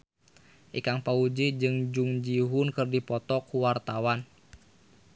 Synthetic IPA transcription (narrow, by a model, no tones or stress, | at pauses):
ʔikaŋpaud͡ʒid͡ʒɨŋd͡ʒuŋd͡ʒiɦunkɨrdipɔt̪ɔkʰːuwart̪awan